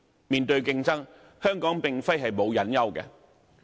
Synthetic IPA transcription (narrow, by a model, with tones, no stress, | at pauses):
miː˨˩nt̪ɵ˧ɥkɪ˥˧ŋt͡sɐ˥ŋ | hœː˥ŋkɔː˨˥ŋpɪ˨ŋfɐ˥jɦɐ˨jmo˨˧wjɐ˨˥njɐ˥wkɛ̰˧